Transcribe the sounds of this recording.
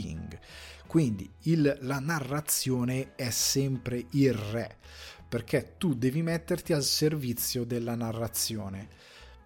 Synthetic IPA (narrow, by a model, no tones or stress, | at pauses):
ḭŋɡkwind̪ḭilːanarːat̪sjɔːneɛsɛmpɾeʔilrɛ | perkʰɛt̪ud̪ɛːvimɛt̪ːert̪ialservit̪sːjod̪elːanarːat̪sːjɔːne